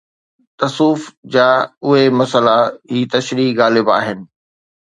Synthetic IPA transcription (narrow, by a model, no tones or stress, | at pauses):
t̪ɐsuːfd͡ʑaːʊɦemɐsəlaɦiːt̪ɐʃɾiɣaːlɪbaːɦɪnɪ̆